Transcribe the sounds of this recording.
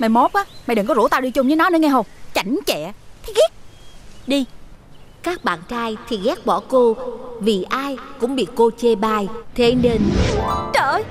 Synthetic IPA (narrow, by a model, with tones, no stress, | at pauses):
ma˨˩jmo˨˦˥p̚ʔaː˨˦ma˨˩jɗə̰˨˧˩ŋkɔ˨˦zṵ˧˩˦t̪aː˧wɗi˧t͡ɕʊ˨˧ŋ͡mɲɨ˨˦nɔ˨˦nɨ˨˦ŋɛ˧ɦo˧˩jt͡ɕa˨˩jŋ̟t͡ɕɛ̰˧˨t̪ʰi˨˦ɣɛ˦˥k̚ɗi˧ | kaː˦˥k̚ɓa̰ː˧˨nt͡ɕaː˧jt̪ʰi˨˩ɣɛ˦˥k̚ɓɔ̰˧˩ko˧vi˨˩ʔaː˧jkʊ̰˧˥ŋ͡mɓḭ˧˨ko˧t͡ɕe˧ɓaː˧jt̪ʰe˨˦ne˧nt͡ɕəː˧˩j